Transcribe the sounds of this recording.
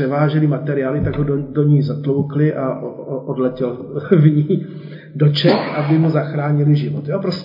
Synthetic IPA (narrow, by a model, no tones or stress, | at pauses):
ɛvaːʒɛlɪmat̪ɛɾɪaːlɪt̪aɡɦododoɲijzat̪lo̞wklɪʔaʔʔodlɛcɛl | vɲiː | do̞t͡ʃɛxʔabɪmuzaxɾaːɲɪlɪʒɪvot̪joːpɾos